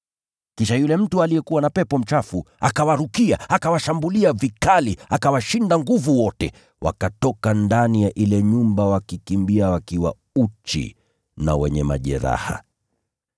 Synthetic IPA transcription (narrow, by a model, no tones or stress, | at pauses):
kiʃajulɛm̩tualijɛkuwanapɛpɔm̩t͡ʃafu | a̰kawaɾukiaakawaʃambuliavikaliakawaʃindaŋɡuvuwɔtɛ | wʔa̰katɔkandanijaʔilɛɲumbawakikimbiawakiwa̰ | ut͡ʃḭ | na̰wɛɲɛma̰ʄɛ̰ɾa̰ha̰